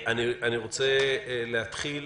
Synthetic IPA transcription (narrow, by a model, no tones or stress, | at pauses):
ʔanianiʁot͡seleat̪χil